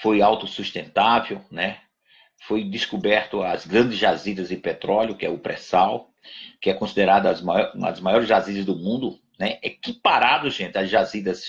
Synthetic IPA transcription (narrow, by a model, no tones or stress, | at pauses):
fojawt̪ʊsust̪ẽnt̪avewnɛ | fojd̪ɪskubɛɾt̪ʊɐzɡɾɐ̃nd̪ɪzʒazid̪ɐzɪpet̪ɾɔljʊkɪɛ̰ʊpɾɛsaw | kɪɛkõsid̪eɾad̪ɐzmajɔũɐ̰d̪ʊzmajɔɾɪzʒazizɪzd̪ʊmũnd̪ʊ | nɛʔɛkɪpaɾad̪ʊʒẽnt̪ɪɐzʒazid̪ɐs